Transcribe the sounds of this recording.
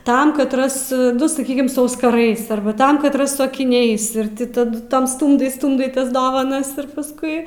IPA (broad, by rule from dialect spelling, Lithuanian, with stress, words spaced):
ˈtɐm kɐtˈrɐs ˈnʊ sɐˈkʲiːkʲɪm sʊ ɐʊskɐˈrɐɪs ˈɐrbɐ ˈtɐm kɐtˈrɐs sʊ ɐkʲɪˈnʲɛɪs ɪr ˈtʲɪ tɐˈdʊ tɐm ˈstuːmdɐɪ ˈstuːmdɐɪ ˈtɐs ˈdɑːʋɐnɐs ɪr pɐsˈkʊɪ